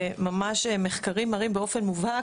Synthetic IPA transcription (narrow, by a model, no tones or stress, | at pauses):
mamaʃemeχkaʁimːaʁimbeo̞fe̞nmuva